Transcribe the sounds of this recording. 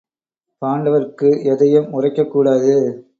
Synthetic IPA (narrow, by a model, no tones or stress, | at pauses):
paːɳɖɐʋɐrkɯɛðɐjɯmʊrɐɪkːɐkːuːɽaːðɯ